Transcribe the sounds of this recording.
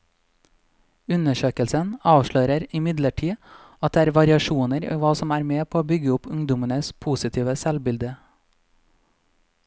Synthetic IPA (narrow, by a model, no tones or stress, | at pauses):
ʉnəʃøːkəlsənɑːʋʃɭøːɾəɾɪmɪd̪ləʈʰiː | ʔɑt̪̚d̪eːæːɾʋɑɾɪɑʃuːnəɾḭːʋɑːsɔmæːɾmeːpʰoːoːbʏɡəʊpʉŋd̪ʊmənəspʰuːsɪt̪ʰiːʋəsɛlbɪld̪ə